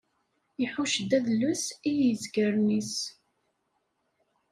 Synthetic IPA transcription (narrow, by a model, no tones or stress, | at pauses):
iħuʃd̪æðlːusijəzɡəɾnis